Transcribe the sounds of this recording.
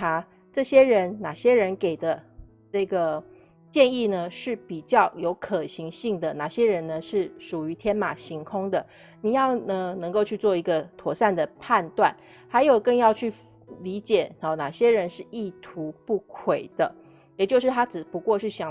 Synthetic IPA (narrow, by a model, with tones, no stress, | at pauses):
a˥ | ʈ͡ʂɤ˥˩ɕjɛ˥ɻə˧˥nna˨˩ɕjɛ˥ɻə˧˥nke˨˩ɪd̪ə˦ | ʈ͡ʂɤ˥˩ɡə˩ | t͡ɕjɛ˥˧ni˥˩nə˩ʂɻ̩˥˩pi˨˩t͡ɕjɑ˥˩ʊjo˧˥ʊkʰɤ˨˩ɕi˧˥ŋɕi˥˩ŋd̪ə˩na˨˩ɕjɛ˥ɻə˧˥nə˧ʂɻ̩˥˩ʂu˨˩y˧˥t̪ʰjɛ˥nma˨˩ɕi˧˥ŋkʰʊ˥ŋd̪ə˨ | ni˨˩jɑ˥˩ʊnə˧nɤ˧˥ŋko˥˧ʊt͡ɕʰy˥˧t͡swɔ˥˩i˧˥ɡə˧t̪ʰwɔ˧˥sa˥˩nd̪ə˩pʰa˥˧nt̪wa˥˩n | ha˧˥ɪjo˨˩ʊkə˥˧ŋjɑ˥˧ʊt͡ɕʰy˥˩ | li˧˥t͡ɕjɛ˨˩˦na˨˩ɕjɛ˥ɻə˧˥nʂɻ̩˥˧i˥˩t̪ʰu˧˥pu˥˩kʰwe˨˩ɪd̪̥ə˦ | jɛ˨˩t͡ɕjo˥˧ʊʂɻ̩˥˩t̪ʰa˥ʈ͡ʂɻ̩˨˩pu˧˥kwɔ˥˧ʂɻ̩˥˩ɕjɑ˨˩